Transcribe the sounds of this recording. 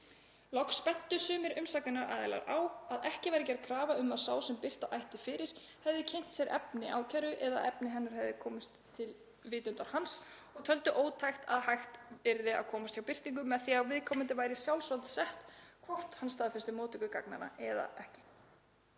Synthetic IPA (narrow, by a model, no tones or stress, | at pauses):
lɔkspɛn̥t̪ʏsʏːmɪɾʏmsaknɪnaɾa̰ːðɪla̰ɾaːwaðɛhcɪvaɾɪcaɾkʰɾaːvaʏmasaːwsɛmpɪr̥t̪aʔajht̪ɪfɪːɾɪɾ̥ | hɛvðɪcʰejŋ̥t̪sjɛɾʔɛ̰pnɪʔa̰ːwcʰajɾʏʔɛða̰ʔɛpnɪɦɛnːaɾ̥hɛvðɪkʰɔːmʏst̪ʰːɪl | vɪːt̪ʏnt̪aɾ̥hans | ɔɣt̪ʰœlt̪ʏʔoːwt̪ʰajxt̪a̰ðhajxt̪pɪɾðɪa̰ðkʰɔːmast̪jawpɪr̥t̪iŋk̬ʏmːɛðθiawvɪðkʰɔmɪnt̪ɪvaːjɾɪsjawlsvɔlt̪sɛht̪kʰvɔr̥t̪hanst̪ʰaːðfɪ̥st̪ɪmoːwt̪ɪkʏka̰kna̰na̰ɛða̰ɛhcɪ̥